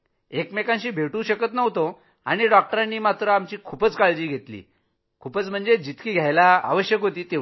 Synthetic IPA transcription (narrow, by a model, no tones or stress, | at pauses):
ekmekãnɕiːbʱeʈũːɕəkət̪nəʋt̪o | a̰ɽ̃iɖɔk̚ʈəɾãnːiːmat̪ɾəamt͡ɕiːkʰupət͡skaɭd͡ʑiːɡʱet̪lḭː | kʰuːpət͡sm̤əɳd͡zed͡ʑit̪kiːɡʱjajlaa̰ʋəɕjəkɦot̪iːt̪eʋ